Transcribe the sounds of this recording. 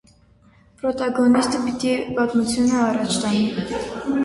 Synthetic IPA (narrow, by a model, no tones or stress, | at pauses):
pɾɔt̪ɑɡɔnist̪əpit̪ipɑt̪mut͡sʰjunəɑrɑt͡ʃʰt̪ɑni